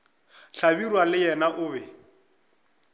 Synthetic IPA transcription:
ɬabirwalɪjɛnaʔʊːbɛ

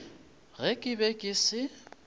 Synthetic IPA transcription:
ɣɛkʼɪbɛkʼɪsɪ

